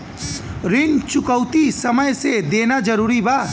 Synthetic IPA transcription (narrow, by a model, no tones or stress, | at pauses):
ɾɪnt͡ʃʊkəʊt̪isɐməjsed̪eːnad͡ʒɐɾuːɾibaːt̪